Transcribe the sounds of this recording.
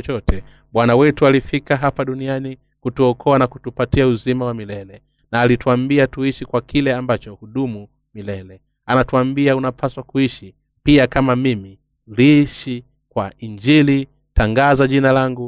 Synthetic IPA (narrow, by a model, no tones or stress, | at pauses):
t͡ʃɔtɛ | ɓwanawɛtualifikaɦapaɗuniani | kutuɔkʰɔanakutupatiauzimawamilɛlɛ | naːlituambiatuiʃikwakʰilɛambat͡ʃɔhuɗumu | milɛlɛ | anatuambiaunapʰaswakuiʃi | piakamamimi | liʃi | kwaiɲd͡ʒili | taŋɡazaʄinalaŋɡu